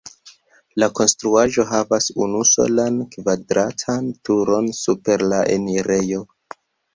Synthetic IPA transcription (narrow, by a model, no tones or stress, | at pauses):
lako̞nstɾuaʒo̞ɦavasunuso̞̰lankvadɾatʰantuɾo̞nsupe̞ɾlaʔḛniɾe̞jo̞